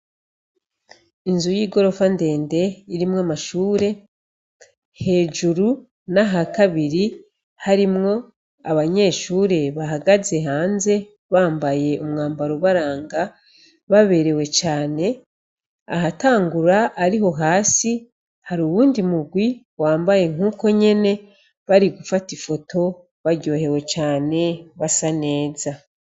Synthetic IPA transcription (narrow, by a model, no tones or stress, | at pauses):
inzujiːɡo̞ɾo̞fande̞ːnde̞iɾimŋamaʃuːɾe̞ | he̞ːʒuɾu | naɦakaβiɾi | haɾimŋo̞ | aβaɲe̞ːʃuːɾe̞βaɦaɡaze̞ɦaːnze̞ | βaːmbaje̞ʔumŋaːmbaɾuβaɾaːŋɡa | βaβe̞ɾe̞we̞t͡ʃaːne̞ | a̰ɦataːŋɡuɾaʔːɾiɦo̞ɦaːsi | haɾuːβuːndimuɡwi | waːmbaje̞ŋ̥uːko̞ɲe̞ne̞ | βaɾiɡufatifo̞tʰo̞ | βaɾɟo̞ːhe̞we̞t͡ʃaːne̞βasane̞ːza